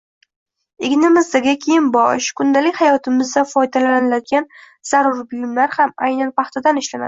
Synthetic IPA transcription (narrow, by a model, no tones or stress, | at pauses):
eɡʲnɪmɪzd̪aɡʲakʲʰejɪnbɒʃkʰʊnd̪alɪkʲhajɒt̪ʰɪmɪzd̪afɒjd̪alalanɪlad̪̚ɡʲan | z̥aɾʊɾbʊjɪmlaɾhama̰jnanpɑχt̪ʰad̪anɪʃlana̰d̪ɪ